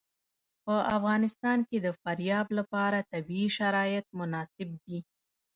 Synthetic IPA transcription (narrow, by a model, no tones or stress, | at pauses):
pəʔafɣɑnɪst̪ɑnked̪əfaɾjɑblapɑɾat̪abiːʃaɾɑjɪt̪̚mʊnɑsɪb̚d̪i